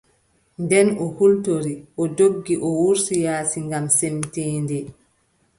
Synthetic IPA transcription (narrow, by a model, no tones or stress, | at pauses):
ndɛnɔhultoɾiʔɔdoɡːiʔɔwuɾsijaːsiŋɡamsemtiːndɛ